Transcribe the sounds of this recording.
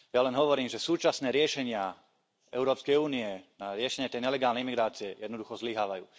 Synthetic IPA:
jalɛnɦɔʋɔɾiːmʒɛsuːt͡ʃasnɛːɾɪɛʃɛɲɪa | ɛʊɾɔːpskɛjuːniɛnaɾɪɛʃɛɲɛt̪ɛjɲɛlɛɡaːlnɛjimiɡɾaːt͡siɛjɛd̪nɔd̪uxɔzliɦaːʋajṵː

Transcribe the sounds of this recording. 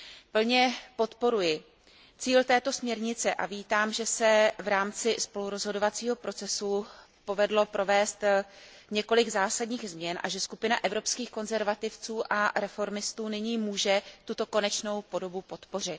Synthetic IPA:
pl̩ɲɛpo̞t̪po̞ɾujɪ | t͡siːlt̪ɛːt̪o̞smɲɛɾɲɪt͡sɛʔa̰viːt̪aːmʒɛsɛvɾaːmt͡sɪspo̞luɾo̞zɦo̞do̞vat͡siːɦo̞pɾʔo̞t͡sɛsu | po̞vɛdlo̞pɾʔo̞vɛːst̪ | ɲɛko̞lɪɡzaːsadɲiːɣzmɲɛnʔa̰ʒɛskupɪnaʔɛvɾo̞pskiːxko̞nzɛɾvat̪ɪft͡suːʔaɾɛfo̞ɾmɪst̪uːnɪɲiːmuːʒɛt̪ut̪o̞ko̞nɛt͡ʃno̞wpo̞do̞bupo̞t̪po̞r̝ɪt̪

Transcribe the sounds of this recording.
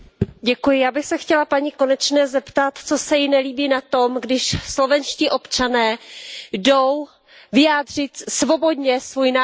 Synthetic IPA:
ɟɛkujɪjaːbɪxsɛxcɛlapaɲiko̞nɛt͡ʃnɛːzɛpt̪at̪t͡so̞sɛjɪnɛliːbiːnat̪o̞mɡdɪʃslo̞vɛnʃciʔo̞pt͡ʃanɛːdo̞w | vɪjaːdr̝ɪt̪svo̞bo̞dɲɛsvujna

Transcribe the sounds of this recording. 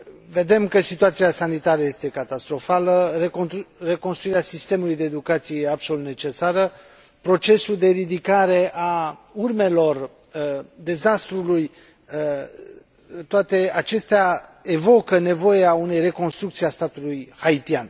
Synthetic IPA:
ve̞d̪e̞mkəsit̪uat̪siasanit̪aɾəje̞st̪e̞kat̪ast̪ɾo̞faləere̞ko̞nst̪ɾuiɾeasist̪e̞mulujd̪e̞ːd̪ukat̪sijejeabso̞lut̪ne̞t͡ʃe̞saɾə | pɾo̞t͡ʃe̞suld̪e̞ɾid̪ikaɾe̞ʔaurme̞lo̞r | d̪e̞zast̪ɾuluj | t̪oat̪e̞at͡ʃe̞st̪eae̞vo̞kəne̞vo̞jeaune̞jre̞konst̪ɾukt̪siast̪at̪ulujhait̪ian

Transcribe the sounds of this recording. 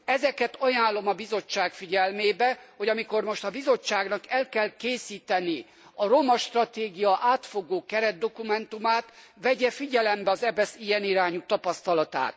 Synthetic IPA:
ɛzɛkɛt̪ɒjaːlːo̞mɒbizo̞t͡ʃːaːkfiɟɛlmeːbɛho̞ɟɒmiko̞rmo̞ʃt̪ɒbizo̞t͡ʃːaːɡnɒkɛlkɛlkeːsiːt̪ɛni | ɒɾo̞mɒʃt̪rɒt̪eːɡijɒʔaːt̪foɡoːkɛɾɛd̪̚d̪o̞kumɛnt̪umaːt̪ʋɛɟɛfiɟɛlɛmbɛɒzɛbɛsijɛniɾaːɲut̪ɒpɒst̪ɒlɒt̪a̰ːt̪

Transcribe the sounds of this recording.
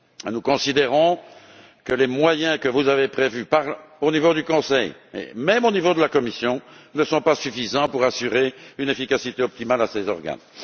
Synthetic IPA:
nukɔ̃sid̪eʁɔ̃ | kəlemwajɛ̃kəvuzavepχevypaʁlonivod̪ykɔ̃sɛjḛmɛmonivod̪əlakɔmisjɔ̃nəsɔ̃pasyfizɑ̃puʁasyʁeynefikasit̪eɔp̚t̪imalasezɔʁɡa̰n

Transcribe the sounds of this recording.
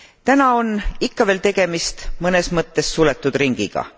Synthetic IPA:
t̪ænɑo̞nikːɑveːlt̪e̞ɡ̥e̞mist̪mɤnesmɤt̪ːˑe̞sːulet̪ːˑud̪̥riŋɡ̥iɡ̥ɑ̰

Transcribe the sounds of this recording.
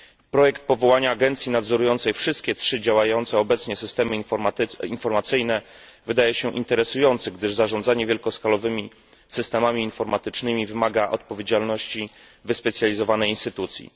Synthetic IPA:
pɾɔjɛkt̪̚pɔvɔwaɲaːɡɛnt̪sʲjinad̪zɔɾujɔnt̪sɛjfʂɘst̪̚kʲɛtʂɘd͡ʑawajɔnt̪sɛɔbɛt̪sɲɛsɘst̪ɛmɘ | infɔɾmat̪sɘjnɛ | vɘd̪ajɛɕɛʔḭnt̪ɛɾɛsujɔnt̪sɘɡd̪ɘʐzaʐɔnd̪zaɲɛvʲjɛlkɔskalɔvɘmʲi | sɘst̪ɛmamʲiːnfɔɾmat̪ɘt͡ʂnɘmʲivɘmaɡaʔɔ̰t̪̚pɔvʲjed͡ʑalnɔɕt͡ɕi | vɘspɛt̪sʲjalʲizɔvanɛjinst̪ɘt̪ut̪sʲjḭ

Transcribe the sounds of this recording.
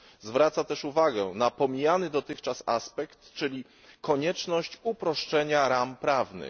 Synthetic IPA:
zvɾat̪sat̪ɛʂuvaɡɛ̰napɔmʲijanɘd̪ɔt̪ɘxt͡ʂasa̰spɛkt̪t͡ʂːɘlʲi | kɔɲɛt͡ʂnɔɕt͡ɕupɾɔʂt͡ʂɛɲaɾampɾavnɘ̰

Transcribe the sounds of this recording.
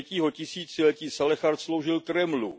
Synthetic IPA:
ciːɦo̞cɪsiːt͡sɪlɛciːsalɛxaɾt̪slowʒɪlt̪ɾɛmlu

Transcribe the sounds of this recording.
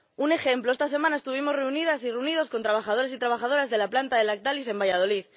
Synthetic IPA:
une̞xe̞mploe̞st̪as̬e̞mãnae̞st̪uβ̞imo̞zreuniðasireunið̞o̞sko̞nt̪ɾaβ̞axað̞o̞ɾesit̪ɾaβ̞axað̞o̞ɾazðe̞laplant̪aðe̞lak̚t̪alise̞mbaʝað̞o̞liθ

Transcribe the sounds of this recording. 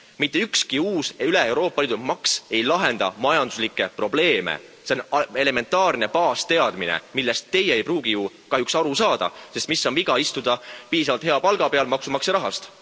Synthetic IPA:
mit̪ːˑeykskiuːseyleewɾo̞ːpːˑɑliːd̪umɑkse̞jlɑɦe̞nd̪̥ɑ̰mɑjɑnd̪uslikːˑe̞pro̞ble̞ːmḛse̞one̞le̞me̞nt̪ːˑɑːrne̞pɑːst̪e̞ɑd̪̥minḛmilːest̪ːe̞jeejpruːɡ̥iju | kɑɦjuksɑɾusɑːd̪̥ɑ̰se̞st̪misːonviɡ̥ɑist̪ud̪̥ɑpiːs̬ɑvɑlt̪he̞ɑpɑlɡ̥ɑpe̞ɑlmɑksumɑksɑɾɑɦɑst̪

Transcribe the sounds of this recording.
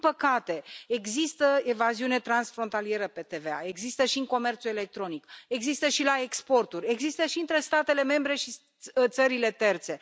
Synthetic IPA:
pəkat̪e̞eɡzist̪əevaziune̞t̪ɾansfɾo̞nt̪alie̞ɾəpe̞t̪e̞vea̰e̞ɡzist̪əʃiɨŋko̞me̞rt̪sue̞le̞k̚t̪ɾo̞nike̞ɡzist̪əʃilae̞kspo̞rt̪urʲe̞ɡzist̪əʃiɨnt̪ɾe̞st̪at̪e̞le̞me̞mbɾe̞ʃi | t̪səɾile̞t̪e̞rt̪se̞

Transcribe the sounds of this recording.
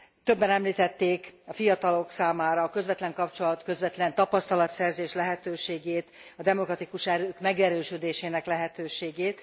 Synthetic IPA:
t̪ø̞bːɛnɛmliːt̪ɛt̪ːeːkɒfijɒt̪ɒlo̞ksaːmaːɾɒːkø̞zvʋɛt̪lɛŋkɒpt͡ʃo̞lɒt̪kø̞zvɛt̪lɛnt̪ɒpɒst̪ɒlɒt̪sɛrzeːʃlɛɦɛt̪øːʃeːɡeːt̪ɒd̪ɛmokrɒt̪ikuʃɛɾøːkmɛɡɛɾøːʃød̪eːʃeːnɛklɛɦɛt̪øːʃeːɡeːt̪

